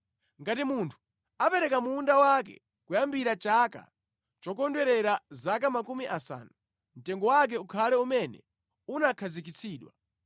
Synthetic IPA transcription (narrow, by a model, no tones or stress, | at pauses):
ŋɡatimuntʰu̥ | apɛɾɛkamuːndawak̬ɛ̰ | kujambiɾat͡ʃaka̰ | t͡ʃɔkɔndwɛɾɛɾazakamakumiʔasa̰ːnu | m̩tɛŋɡɔwak̬ɛukʰalɛumɛnɛ̰ | unakʰazikit͡sʰiːɗwa